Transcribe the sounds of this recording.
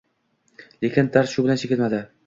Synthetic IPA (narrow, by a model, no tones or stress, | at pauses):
lekʲɪnd̪ʰaɾʃʊbɪlant͡ʃʰeɪlmad̪ɪ